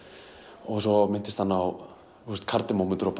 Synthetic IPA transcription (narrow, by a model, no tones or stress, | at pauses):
ɔɣsɔmɪnt̪ɪst̪hanːaaw | θust̪kʰaɾt̪ɪmawmɪnt̪ʏɾɔpʰ